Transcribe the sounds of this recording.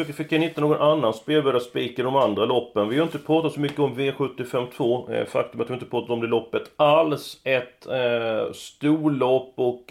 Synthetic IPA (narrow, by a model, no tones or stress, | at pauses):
økfɪkːjanɪt̪ːənoːɡɔnʔanːanspeːlbɛːd̪aspiːkad̪ɔmand̪ɾalɔpːənvɪhaɾɪnt̪əpʰɾɑːt̪at̪sɔmʏkːəɔmveːɧɵt̪ːɪfɛmːt̪ʰvo̰ːfa̰k̚t̪ɵmat̪hɪɾɪt̪əpʰɾɑːt̪at̪ɔmd̪ɛlɔpːət̪alsɛt̪ | st̪uːɭɔpːɔk